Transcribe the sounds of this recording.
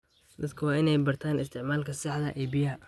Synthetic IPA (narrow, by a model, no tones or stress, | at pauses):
d̪ɐd̪kʰɐwɑːɪnɛjbɐrt̪ʰaːnɪst̪ʰɪʕmaːlkʰɐsɪħd̪ɐʔɛːbɪjɐɦɐ